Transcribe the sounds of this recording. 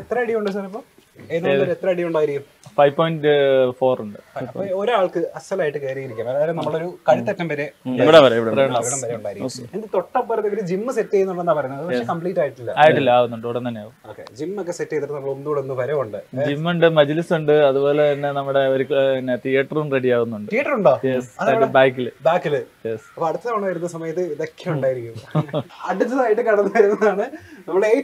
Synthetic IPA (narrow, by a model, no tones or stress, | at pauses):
et̪rɐiɽijuɳɖɨs̬aːɾɐpːoː | enːoɾet̪ːrɐɽijuɳɖaːjiɾikʲːum | fɐjʋpoːjɳʈfoːruɳɖɨɐooɾaːɭkɨɐsɐlaːjiʈːɨkeːɾiɣɐɾikʲːɐnɐmɐðaɐːilɐmnɐmːɐɭo̞ɾukɐɻit̪ːɐtːɐmpɐɾeiʋiɽeɐɾiʋɾɐɳiʋiɽɐmpɐɾeuɳɖaːjiɾikːund̪et̪o̞ʈːɐmpːoːɾɐt̪ːiʋɐɾud͡ʑimːɨsetːejunːuɭːenːaːpɐɾɐejːɳɐmɐðɨpɐkʂekɐmpɭiːtːaːjiʈːilːɐ̰aːjiʈːilːɐːenːuɳɖɨoʋɽent̪ɐnːejaːʋuo̰ːkːḛd͡ʑimːokːe̞setːejt̪ːɐʈːnɐmːɐɭonːuɽeonːumpɐɾeuɳɖɨd͡ʑimːuɳɖɨmɐd͡ʑilisuɳɖɨɐðubo̞ːlet̪ɐnːe̞nɐmːuɽe̞oɾunːet̪ijɐʈːɐrumre̞ɽijaːʋunːuɳɖɨt̪ijɐʈːɐruɳɖoːjesɐðɐbaːjkːilɨbaːkːilɨjesɐpːɐɽut̪ːɐaɐɳaːjiɾunːɐsɐmɐjɐt̪ːɨiðɐkʰːɐuɳɖaːjiɾikʲːumɐɽut̪ːɐðaːjiʈːɨkɐɳɐnːɐʋɐɾunːɐðaːɳɨnɐmːuɽe